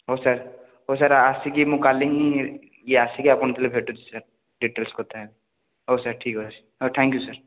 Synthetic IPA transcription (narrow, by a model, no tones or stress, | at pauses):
ɦoːsəɾ | ɦosəɾasikimũkaːliŋi | jeaːsikiapəɳ̃t̪elebʱeːʈut͡ʃ̪ʰi̥səɾ | ɖiʈeːlskot̪aɦɛ | ɦoːsəɾʈʰiːkɦosəɾ | ot̪ʰɛ̃ːŋkjusəɾ